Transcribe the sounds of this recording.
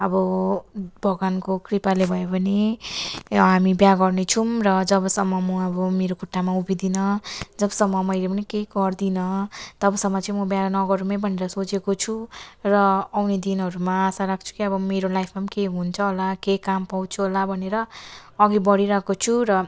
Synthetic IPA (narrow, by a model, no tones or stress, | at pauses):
ʌbʌ | bʱʌɡankokripalebʱʌjebʌne | ɦamibjaɡʌrnet͡sʰumrʌd͡zʌbʌsʌmːʌmʌʌbʌmeɾokʰoʈːamaubid̪inʌd͡zʌbʌsʌmːʌmʌjlepʌnikeɡʌrd̪inʌt̪ʌbʌsʌmːʌt͡sʌ̃ĩmʌbjanʌɡʌɾumʌjbʱʌneɾʌsot͡sekot͡sʰurʌawned̪inʌɾumaːsaɾak̚ʰt͡sʰu̥kiʌbʌmeɾolajpʰmamkeɦunt͡sʰʌɦolakejkampaw̃t͡sʰuɦolabʱʌneɾʌːɡibʌɽiɾʌkot͡sʰurʌ